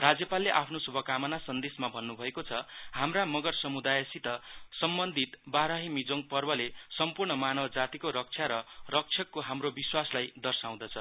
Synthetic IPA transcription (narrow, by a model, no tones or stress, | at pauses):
rad͡zjʌpalːeʔapʰnosubʱʌkamʌnasʌnd̪esmabʱʌnːubʱʌekot͡sʰʌhamramʌɡʌrsʌmud̪ajesit̪ʌsʌmbʌnd̪ʱit̪baɾaɦimid͡zoŋɡpʌrbʌlesʌmpurɳʌmanʌbd͡zat̪ikoɾʌk̚t͡sʰjaɾʌrʌk̚t͡sʰjʌkːoɦamrobiswaslajd̪ʌrsaw̃d̪ʌt͡sʰʌ